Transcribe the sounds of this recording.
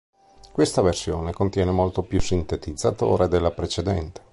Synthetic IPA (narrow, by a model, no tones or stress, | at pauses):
kwest̪aversjoːnekont̪jɛːnemolt̪opjusːint̪et̪id̪zːat̪o̰ːɾed̪elːapɾet͡ʃed̪ɛnt̪e̥